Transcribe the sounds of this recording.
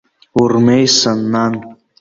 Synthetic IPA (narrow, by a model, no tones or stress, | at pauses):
urmejsanːan